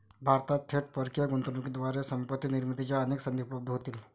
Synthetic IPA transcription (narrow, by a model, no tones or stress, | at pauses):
bʱaːɾt̪at̪ʰeʈ̚pəɾkijaɡʊ̃nt̪ənũked̪ʋaːɾesɐ̃mpət̪ːinɪɾmit̪id͡ʒaɐneːksɐ̃nd̪eupɾɐb̚d̪ʱɦot̪il